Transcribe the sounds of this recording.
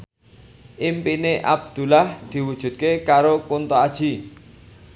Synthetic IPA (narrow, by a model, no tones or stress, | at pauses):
ʔimpineʔa̰b̚d̪̥ṳlahd̪̥i̤wud̥ʒ̥ṳt̪̚kekaɾokunt̪ɔad̥ʒ̥i̤